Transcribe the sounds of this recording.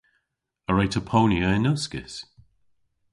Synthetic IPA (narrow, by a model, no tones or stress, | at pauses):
əɹejtʰəpʰowniəɪnʊskɪ̰s